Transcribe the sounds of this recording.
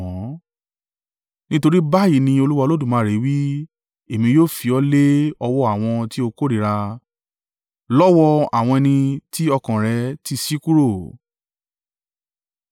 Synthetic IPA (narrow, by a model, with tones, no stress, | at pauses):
ɔ̃˨˦ | nĩ˦to˧ɾi˦ba˦ji˨˦nĩ˧o˧lu˦wa˧lo˦dũ˦˨mãː˨˦˨ɾe˨˦wi˦ | e˨mĩ˧joː˦˨fi˨˧ɔ˧˦le˦ɔ˧wɔ˧˦a˦˨w̃ɔ̃˧ti˦o˧ko˦ɾi˨ɾa˧ | lɔ˦wɔ˧a̰˨w̃ɔ̃˧ɛ˧nĩ˧ti˦ɔ˧kã˨ɾɛ˨˧˦ti˦si˦ku˦ɾo˦˨